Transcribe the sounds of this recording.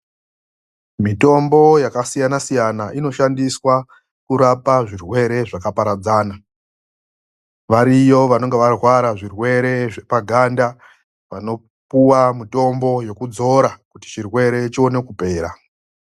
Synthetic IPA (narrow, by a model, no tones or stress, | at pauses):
mito̞mbo̞jakasijanasijanaʔino̞ʃandiswa | kuɾapaʐirwe̞ɾe̞ʐakapaɾad͡zaːna | ʋaɾijo̞ʋano̞ŋɡeʋarwaɾaʐirwe̞ɾe̞ʐe̞paɡʱanda | ʋano̞ | puwamuto̞mbo̞je̞kud͡zo̞ɾakuti̥t͡ʃirwe̞ɾe̞t͡ʃio̞ne̞kupe̞ːɾa